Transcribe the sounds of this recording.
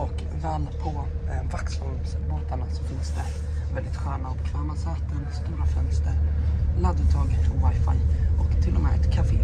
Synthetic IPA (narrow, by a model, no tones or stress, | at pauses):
ɔkː | vɛːlpʰɔvaksɔlsboːt̪aɳasɔfɪnsd̪ɛ̰ | vɛld̪ɪt̪ɧæːɳaɔbɛkʰvɛːmasɛːt̪ənst̪uːɾafœ̰nst̪əɾlad̪ɵt̪ʰɑːɡpʰɔvajfa̰jʔɔkt̪ʰɪlːɔmɛ̰ʔɛ̰t̪kʰafeː